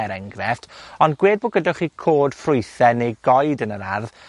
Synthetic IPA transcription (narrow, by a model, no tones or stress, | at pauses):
ɛɾɛŋɡrɛftɔnɡweːd̚boːɡədaχiːkʰoːd̥frʊjθɛnejɡɔjdənəɾarð